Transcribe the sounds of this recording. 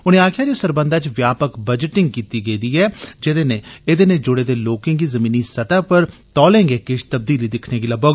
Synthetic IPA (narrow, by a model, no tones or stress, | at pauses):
ʊnẽːaːkʰjaːd͡ʒeːsəɾbənd̪aːt͡ʃʋjaːpəkbəd͡ʒəʈɪŋɡkiːt̪iːɡəiːd̪iːɛːd͡ʒɪd̪eːnẽːeːd̪eːnẽːd͡ʒʊɽeːd̪eːloːkɪ̃ŋɡiːzəmiːniːsət̪aːpəɾt̪ɔːlẽːŋɡeːkɪʃt̪əb̚d̪iːliːd̪ɪkʰneːɡɪlaːbəɡ